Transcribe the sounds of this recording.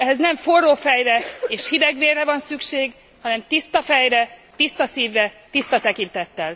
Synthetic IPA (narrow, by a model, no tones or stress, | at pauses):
ɛɦɛznɛɱforːoːfɛjrɛeːʃhid̪ɛɡʋeːrːɛvɒnsykʃeːɡ | hɒnɛmt̪ist̪ɒfɛjrɛt̪ist̪ɒsiːvrɛt̪ist̪ɒt̪ɛkint̪ɛt̪ːɛl